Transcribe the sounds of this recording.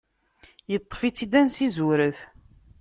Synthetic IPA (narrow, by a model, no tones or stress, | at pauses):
jət̪ˤːfit͡sːid̪ænsizuɾəθ